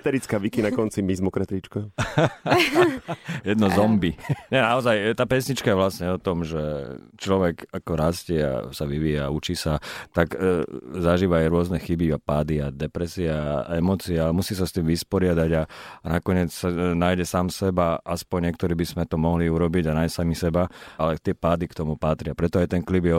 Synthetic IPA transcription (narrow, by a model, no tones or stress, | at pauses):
t̪ɛɾit͡skaːʋikinakɔnt͡simizmɔkɾɛt̪ɾit͡ʃka | jɛd̪nɔzɔmbiɲɛnaɔzajt̪aːpɛsɲit͡ʃkajɛʋlasɲɛɔt̪ɔmʒɛt͡ʃlɔʋɛkakɔɾascɛa̰saʋiʋiːjaːut͡ʃiːsat̪aɡzaʒiːʋaːjɾʊɔznɛxibiapaːd̪iad̪ɛpɾɛsiaɛmɔːt͡siaaɛmusiːsast̪iːmʋispɔɾɪad̪aɟanakɔɲɪɛt͡ssanaːjɟɛsaːmsɛbaʔaspɔɲɲɛk̚t̪ɔɾiːbizmɛt̪ɔmɔɦliuɾɔbiɟanajsamisɛbaalɛt̪ɪɛpaːd̪ikt̪ɔmupat̪ɾɪapɾɛt̪ɔajt̪ɛnklibjɛ